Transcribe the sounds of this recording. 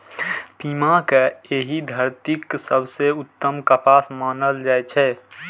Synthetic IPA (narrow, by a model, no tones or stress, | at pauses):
piːmakeeɦid̪ʱəɾt̪iksəbʱseʊt̪ːəmkəpaːsmaːnəld͡ʒaːɛt͡ʃʰɛ